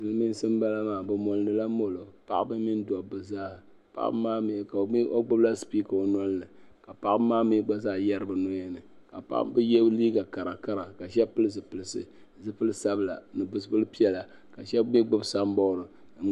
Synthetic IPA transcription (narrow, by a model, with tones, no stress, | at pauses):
dɨ˦lɨ˦mi˦n˦sɨ˦m˦ba˦la˦maː˨bɨ˨mɔ˨lnɨ˦la˦mo˦lo˨pa̰˦ʔbɨ˦mi˦n˦dɔ˨bɨ˨zaː˦˨ | pa̰˦ʔmaː˦m˨ka˨˦o˦ɡ͡bʊ˦bla˦spi˦ka˨o˨nɔ˦lnɨ˨ka˨pa˨ʔmaː˦mi˦ɡ͡ba˦zaː˦jɛ˦ɾɨ˦bɨ˨no˦jɛ˦nɨ˨ka˨pa̰˦ʔbɨ˦jɛ˦bliː˦ɡa˨ka˨ɾa˨ka˦ɾa˨ka˨ʃɛ˦pɨ˦lɨ˦zɨ˨pɨ˨lɨ˨sɨ̰˦ | zɨ˦pɨ˦lɨ˦sa˦bɨ˨la̰˨nɨ˨bʊ˨sɨ˦bɨ˦lɨ˦pi˦ɛ˦la˨ | ka˨ʃɛ˦mi˦ɡ͡bʊ˦bsa˦m˦bɔ˦˨ɾɨ˨˦